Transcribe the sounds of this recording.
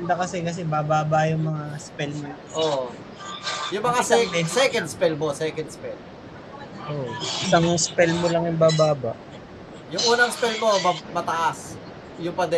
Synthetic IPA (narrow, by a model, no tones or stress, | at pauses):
nd̪ɐkɐsɛkɐs̬ɛbaːbaːbɐjʊŋmɐŋaspɛlmo | ʔo | jʊŋmɐŋasɛɛsɛkɛnd̪̚spɛlmosɛkɐnd̪̚spɛl | ʔoʔʔɪsaŋspɛlmolɐŋjʊŋbaːbaːbaʔ | jʊŋʔuːnɐŋspɛlmoɐmɐt̪ɐʔas | jʊŋpɐd̪ɛ